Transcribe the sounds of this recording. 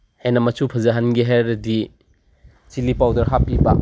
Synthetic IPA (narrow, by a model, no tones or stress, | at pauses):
hejnɐmɐsʰupʰɐzaɦɐnɡiɦeɾɐdi | t͡ʃilipawdɐɾɦapibak